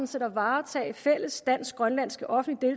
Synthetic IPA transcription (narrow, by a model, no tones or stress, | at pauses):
nsed̥ɐʋɑ̈ːt͡sʰɛ̰ːɪfel̰əsd̥æn̰sɡ̥ʁɶnlæn̰sɡ̥əʔɒ̽fn̩lid̥e̝l